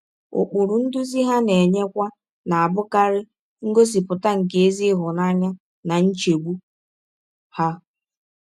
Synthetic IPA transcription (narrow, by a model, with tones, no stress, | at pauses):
ʊ̰˨k͡pʊ˨ɾʊ˨n̩˦dʊ˦zi˦ɦa˦ne˨ɲe˦kʷa˦ | na˨a˨bʊ˦ka˦ɾɪ˦ | ŋ̩˦ɡo˦s̬i˨pʊ˨ta˦ŋ̩˨ke˦e˦zi˦ɦʊ˨na˦ɲa˦ | na˨n̩˦t͡ʃe˨ɡ͡bu˦ | ha˦